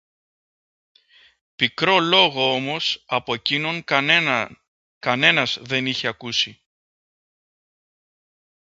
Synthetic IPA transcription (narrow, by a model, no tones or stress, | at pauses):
pikɾo̞lo̞ɣo̞o̞mo̞sɐpo̞ecino̞ŋ | kɐne̞nɐzðe̞niçe̞ɐkusi